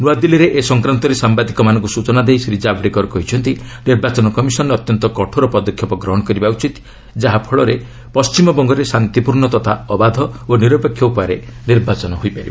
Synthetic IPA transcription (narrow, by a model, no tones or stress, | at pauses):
nuad̪iliɾeʔesɔŋkɾant̪ɔɾesambad̪ikɔmanɔ̃ŋkusut͡ʃɔnad̪ejsɾid͡ʒabɽekɔɾɔkɔɦit͡ʃʰɔnt̪iniɾbat͡ʃɔnɔkɔmisɔnɾɔt̪jɔnt̪ɔkɔʈʰoɾɔpɔd̪ɔkʰːjɔpɔɡɾɔɦɔɽɔkɔɾibaut͡ʃit̪ | d͡ʒaɦapʰɔɭɔɾe | pɔst͡ʃimɔbɔŋɡɔɾesant̪ipuɾɳɔt̪ɔt̪ʰa̰ɔbad̪ʱɔoniɾɔpekʰːjɔupɔaɾeniɾbat͡ʃɔnɔɦojpaɾiba